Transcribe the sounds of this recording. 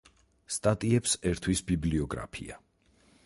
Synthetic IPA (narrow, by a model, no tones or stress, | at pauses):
st̪ʼat̪ʼiɛpsɛɾt̪ʰwisbibliɔɡɾa̰pʰḭa